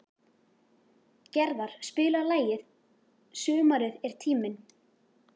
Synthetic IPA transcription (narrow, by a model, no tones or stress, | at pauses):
cɛɾðaɾ̥spɪːlalaːjɪð | sʏːmaɾɪðɛɾ̥t̪ʰiːmɪn